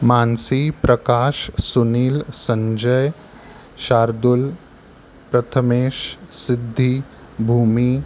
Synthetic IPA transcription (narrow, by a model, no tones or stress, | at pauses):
maːnsipɾɐkaːʃsuniːlsəɲd͡ʒəj | ʃaːɾd̪ul | pɾɐt̪ʰəmeːʃsɪd̪ʱːi | bʱuːmiː